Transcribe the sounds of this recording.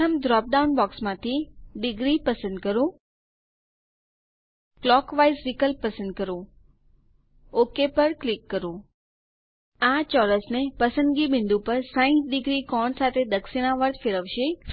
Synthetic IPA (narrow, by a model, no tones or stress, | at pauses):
əmd̪ɾɔp̚ɖaunbɔksmãt̪ʰiɖɪɡɾipəsə̃nd̪̚kəɾũ | klɔkʋajsɾikəlpːəsə̃nd̪̚kəɾũ | okepəɾklɪkːəɾũ | at͡ʃɔləsnepəsə̃nd̪ɡibɪ̃nd̪ũpəɾsãĩt̪ɖɪɡɾikɔɳsat̪ʰed̪əksɪɽ̃aʋəɾt̪ʰfɪɾəʋʃe